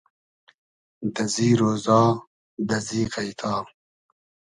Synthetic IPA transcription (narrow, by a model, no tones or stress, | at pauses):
d̪ɐziːɾoːzɑː | d̪ɐziːqajt̪ʰɑː